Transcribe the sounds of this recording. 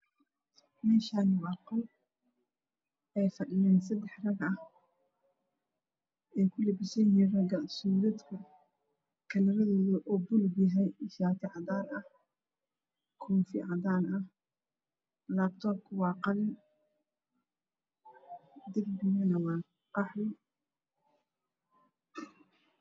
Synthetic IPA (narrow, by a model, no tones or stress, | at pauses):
mɛːʃaːnwɑːqɐl | ʔɛjfɐɖɪjɛːnsɐd̪ɛħrɐɡɐh | ɛjkʰʊlɛbɪsɐjɦinrɐɡɐsuːɾɐd̪kʰɐ | kʰɐlɐɾɐðɔːðɐʔɔːbʊlbjɐɦɛjʃaːt̪ʰɪʕɑðaːɾɐh | kʰɔːfɪʕɑðaːnʔɐh | laːbt̪ʰɔːb̚kʰʊwɑːqɑlɪ | d̪ɛɡbɪnɐnɐwɑː | qɑħlɪ